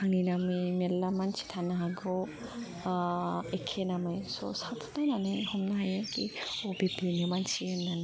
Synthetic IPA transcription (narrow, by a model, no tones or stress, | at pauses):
haŋinamɯjmelːamansi̥t̪ʰanaɦaɡɔ | ekʰenamɯjsɔ̰sat̪ʰnajnanɯjhɔmnaɦajakiɔbibʱinɯmansienːan